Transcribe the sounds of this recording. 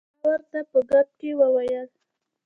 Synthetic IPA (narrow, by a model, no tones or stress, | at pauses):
waɾt̪apəɡat̪̚kewəwajəl